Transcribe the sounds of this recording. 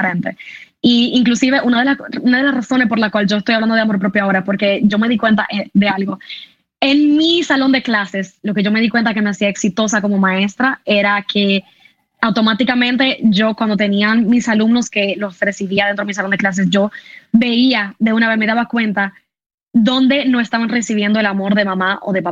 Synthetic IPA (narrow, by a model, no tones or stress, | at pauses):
ɾent̪e | iiŋklusiβe̞ʔunaðe̞launaðe̞lasraso̞nespo̞ɾlakwald͡ʒo̞est̪ojaβland̪oðeamo̞ɾp̬ɾopjoao̞ɾaespo̞ɾke̞ʝo̞me̞ðikwe̞nt̪aʔeðe̞alɣo̞ | e̞ŋmisalo̞nd̪e̞klase̞slo̞ke̞ʝo̞me̞ðikwent̪ake̞me̞asiaeksit̪o̞sako̞mo̞mãe̞st̪ɾae̞ɾakʰe | awt̪o̞mat̪ikamẽ̞nt̪e̞ʝo̞kwand̪ot̪e̞nianmisalumno̞ske̞lo̞sre̞siβiaðent̪ɾo̞mis̬alo̞nd̪eklas̬e̞sʝo̞be̞iaðe̞unaβe̞sme̞ðaβakwe̞nt̪a | ðo̞nd̪e̞no̞est̪aβanre̞siβ̞je̞nd̪oe̞lamo̞ɾðe̞mãmaʔo̞̰ðepaa